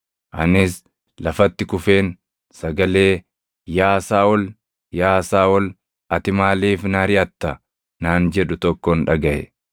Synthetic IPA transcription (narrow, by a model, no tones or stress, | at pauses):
ʔɐ̰nɪs | lɐfɐt̪ːɪkʊfe̞ːn | sɐɡɐle̞ː | jaːsaːwɔl | jaːsaːwɔl | ɐt̪ɪmaːliːfnaɾɪʔɐt̪ːɐ | naːnd͡ʒɛᶑʊt̪ɔkːonᶑɐɡɐʔɛ̰